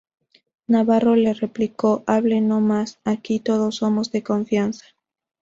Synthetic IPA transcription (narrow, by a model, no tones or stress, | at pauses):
naβaro̞le̞re̞pliko̞ʔaβleno̞masakit̪o̞ð̞o̞sːo̞mo̞zðe̞ko̞ɱfjansḁ